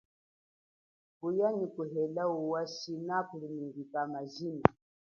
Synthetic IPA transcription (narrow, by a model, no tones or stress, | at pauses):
kujanikuɦɛlauwasinakulimiŋɡikamazina